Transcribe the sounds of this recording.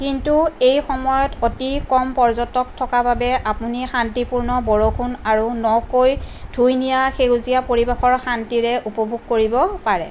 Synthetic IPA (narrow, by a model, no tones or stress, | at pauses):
kintuejxɔmɔjɔtotikɔmpɔɹzɔtːɔk̚tʰɔkababɛapunixantipuɹnɔbɔɹokʰunaɹunɔkoj | dʱujnijaxezijapoɹibaxɔɹxantiɹɛʔupɔbʱuɡ̚koɹibɔpaɹɛ